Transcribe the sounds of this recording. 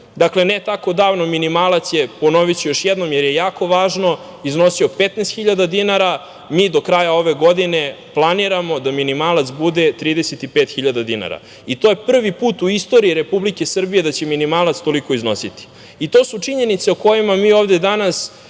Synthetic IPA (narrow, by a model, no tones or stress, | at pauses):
d̪aklenet̪ako̞d̪aːʋnominimaːlˠat̪sjepono̞ʋit͡ɕijoʃjɛd̪no̞mjeɾjejaːko̞ʋaːʒno̞ | izno̞sio̞pet̪nest̪xiʎad̪ad̪inaɾa | miːd̪o̞kɾajao̞ʋe̞ɡo̞d̪ine̞ | plˠaniɾamo̞d̪aminimaːlˠat̪sbud̪e̞t̪ɾiːd̪eset̪ipeːt̪xiʎad̪ad̪ina̰ɾa̰ | it̪o̞jepr̩ʋipuːt̪uist̪o̞ɾiiɾe̞publike̞sr̩bije̞d̪at͡ɕe̞minimaːlˠat̪st̪o̞liko̞izno̞sit̪i̥ | it̪o̞ːsut͡ʂiɲe̞nit̪seuko̞jimamiːoːvd̪e̞d̪anas